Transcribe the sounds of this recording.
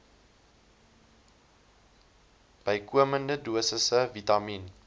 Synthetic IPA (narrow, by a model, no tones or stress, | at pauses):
b̥əjkuəməndəduəsəsəvitɑmin